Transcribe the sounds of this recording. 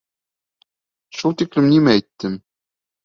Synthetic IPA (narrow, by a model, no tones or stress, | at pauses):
ʃulˠt̪iklɘ̆mnimæɛjt̪ːɘm